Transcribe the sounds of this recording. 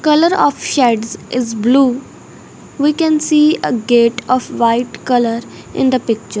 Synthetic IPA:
kʌləɾɔːfʃɛɖzʔɪzbluː | ʋiːkɛ̃nsiːəɡeːʈɔfʋaɪʈkʌləɾ | ʔɪ̰̃nd̪əpɪk̚t͡ʃəɾ

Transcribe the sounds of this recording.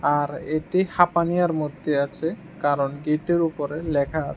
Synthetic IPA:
aɾeʈihapanijaɾmod̪ʱːeat͡ɕʰe | kaɾonɡiʈeɾupoɾelɛkʰaat͡ɕʰe

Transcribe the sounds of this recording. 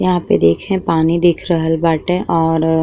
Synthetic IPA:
jɐɦãped̪eːkʰẽpaːnid̪ɪkʰɾəɦəlbaːʈɛ̃ʔɔːɾ

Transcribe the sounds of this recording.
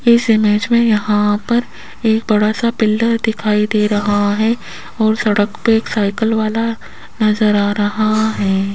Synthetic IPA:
ɪsɪmeːd͡ʒmẽjɐɦãpɐɾ | eːk̚bɐɽasapɪlːəɾd̪ɪkʰaːid̪eːɾɐɦaɦɛ | ɔːɾsɐɽəkpeːksaːɪkəlʋaːla | nɐzəɾaːɾɐɦaɦɛː

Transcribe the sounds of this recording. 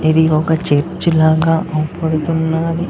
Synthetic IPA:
id̪iɔkɐt͡ʃeɾt͡ʃilaːɡaːʔɐpɐɽut̪unːaːɾi

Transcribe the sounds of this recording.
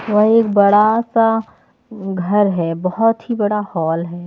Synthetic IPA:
ʋɐɦeːkbɐɽasa | ɡʱɐɾɦɛːbɔɦɔt̪ɦibɐɽahɔːlɦɛː

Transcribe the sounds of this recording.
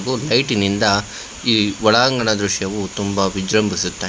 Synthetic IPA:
ɡulɐjʈinind̪ɐ | iːʋɔɭaːŋɡɐɳɐd̪ɾuʂjɐʋut̪umbɐʋid͡ʒɾɐmbʱisut̪ːa

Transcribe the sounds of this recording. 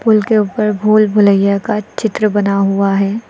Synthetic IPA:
pʊlkeuːpəɾbʱoːlbʱʊləjjakat͡ʃɪt̪ɾəbɐnaɦʊaɦɛː

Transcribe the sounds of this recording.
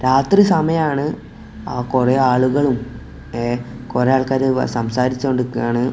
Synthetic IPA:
ɾaːt̪risɐmɐjɐmaːɳɨ | aːkureaːɭuɣɐɭum | ekorejaːɭkaːɾɨsɐmsaːɾit͡ɕːooɳɖɨkːujaːɳɨ

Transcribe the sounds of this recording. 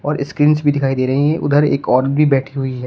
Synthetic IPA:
ɔːɾɪskɾiːnsbʱid̪ɪkʰaːid̪eːɾɐɦĩɛ̃ʔʊ̰d̪ʱəɾḛːkɔːɾɖ̚bʱibɛːʈʰiɦʊiɦɛː

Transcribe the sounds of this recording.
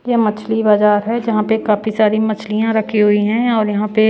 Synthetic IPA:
jemɐt͡ʃʰlibaːzaːɾɦɛd͡ʒɐɦãpekaːfisaːɾimɐt͡ʃʰlijãɾɐkʰːiɦʊiɦɛ̃ɔːɾjɐɦãpe

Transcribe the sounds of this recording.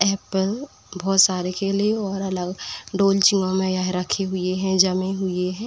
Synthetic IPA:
ɛːpəl | bʱɔːt̪saːɾekelieɔːɾɐləɡɖoːlt͡ʃɪŋõmẽjaɦɾəkʰeɦʊeɦɛ̃d͡ʒɐmẽɦʊeɦɛ̃ː

